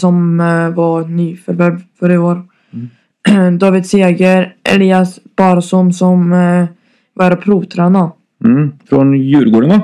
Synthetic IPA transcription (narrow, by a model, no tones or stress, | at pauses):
sɔmvɑɾnyːfœɾvɛvfœɾəoːɾ | d̪ɑːvɪd̪seːɡəɾʔɛ̰liːasb̥ɑːɾasɔmsɔm | vɑɾapʰɾuːt̪ʰɾana | fɾɔnjʉːɾɡoːɖənɑ